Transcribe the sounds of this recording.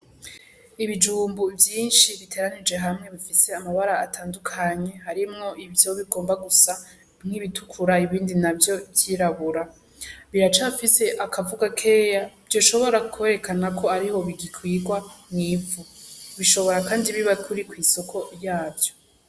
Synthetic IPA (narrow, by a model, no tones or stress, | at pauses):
iβid͡ʒuːmbuvjiːnʃiβitʰe̞ɾanid͡ʒe̞ɦamŋe̞βifise̞amaβaɾaːtʰaːndukʰaɲe̞haɾimŋo̞ʔivjo̞βiɡo̞ːmbaɡusa | ŋ̥iβitʰukʰuɾaiβiːndinavjo̞bjiːɾaβuɾa | βiɾat͡ʃafise̞ʔakʰavuɡakʰe̞javjo̞ːʃo̞βo̞ɾakʰeɾe̞kanakʰo̞aɾiho̞βiɡikʰwiːɡwamŋiːuβiʃo̞βo̞ɾakaːndiβiβakʰuɾikwiːso̞kʰo̞jaːvjo̞